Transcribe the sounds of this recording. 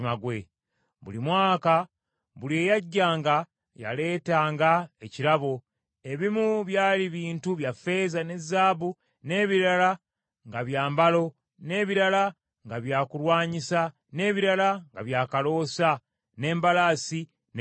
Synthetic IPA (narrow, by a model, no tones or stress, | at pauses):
maɡwe | βṵlimwaːka | βulje̞ːjaɟːaːŋɡa | ja̰le̞ːtaːŋɡaeciɾaβo̞ | e̞βimuβjaːliβiːntuβjafe̞zane̞zːaːβu | ne̞ːβiɾala | ŋɡaβjaːmbalo̞ | ne̞ːβiɾala | ŋɡaβjaːkulwaːɲisa | ne̞ːβiɾalaŋɡa̰βjaːkalo̞ːsa | ne̞ːmbalaːsi | n